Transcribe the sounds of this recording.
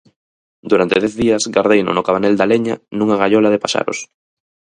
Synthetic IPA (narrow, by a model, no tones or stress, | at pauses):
d̪uɾant̪eðɛθðiɐzɡaɾðejno̰nʊkaβanɛld̪aleɲanũŋaɣaʎɔlaðepaʃa̰ɾo̰s